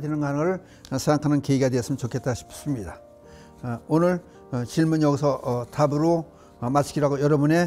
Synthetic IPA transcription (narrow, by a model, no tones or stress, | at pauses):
dwenɯnkanɯŋɯɭ | sʰeŋɡakʰanɯnkeiɡadweʌs͈ɯmnt͡ɕokʰe̞t̚t͈aɕʰi̥ps͈ɯmɲida | onɯɭ | t͡ɕiɭmunjʌɡisʰʌtabuɾo | mat͡ɕʰiɡiɾaɡojʌɾʌbune̞